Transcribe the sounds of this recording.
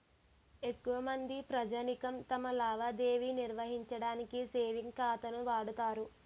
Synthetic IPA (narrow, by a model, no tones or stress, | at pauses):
e̞kːuʋɐmɐnd̪ipɾɐd͡ʒaːnikɐmt̪ɐmɐlaːʋad̪eːʋiniɾʋɐɦiɲt͡ʃɐɽaːnikiseːʋiŋɡkaːt̪ɐnuʋaːɽut̪aːɾu